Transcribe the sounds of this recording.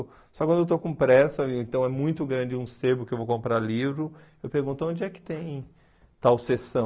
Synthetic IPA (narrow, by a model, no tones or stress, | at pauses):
ʊ | sɔkwɐ̃d̪ewt̪okõpɾɛsɐẽnt̪ɐ̃w̃ɛmũj̃t̪ʊɡɾɐ̃d͡ʒɪũsebʊkɪewvokõmpɾalivɾʊ | ewpeɾɡũnt̪ʊõnd͡ʒɪɛkɪ̥t̪ẽj̃ | t̪awsesɐ̃